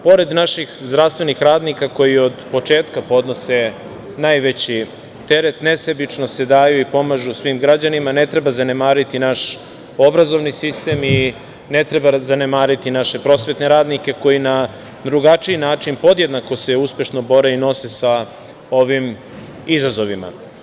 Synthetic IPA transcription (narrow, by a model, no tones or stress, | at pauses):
po̞ɾe̞d̪naʃixzd̪ɾafst̪ʋe̞nixɾaːd̪nikako̞jio̞d̪po̞t͡ʂe̞ːt̪kapo̞d̪no̞se | najʋe̞t͡ɕi | t̪e̞ɾe̞t̪ne̞sebit͡ʂnose̞d̪aːjuipo̞maʒusʋimɡɾad͡ʑanimane̞t̪ɾe̞bazane̞maːɾit̪inaʃ | o̞bɾazo̞ʋnisist̪e̞ːmi | ne̞t̪ɾe̞bazanemaːɾit̪inaʃe̞pɾo̞sʋe̞t̪ne̞ɾaːd̪nike̞ko̞jina | d̪ɾuɡat͡ʂiinaːt͡ʂinpo̞d̪jed̪nako̞se̞uspʲje̞ʃno̞bo̞ɾeino̞se̞sa | o̞ʋim | izazo̞ʋima̰